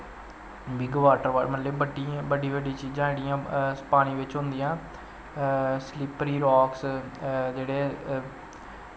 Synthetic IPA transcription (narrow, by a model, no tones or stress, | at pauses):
bɪɡʋaːʈəɾʋa̰ːmət̪leːbəɖibəɖiːbəɖiːt͡ʃiːd͡ʒãːɽɪjãːspaːɽ̃ĩːʋɪt͡ʃɦʊ̃nd̪ɪjãː | slɪpɾiːɾɔːks | d͡ʒeːɽeː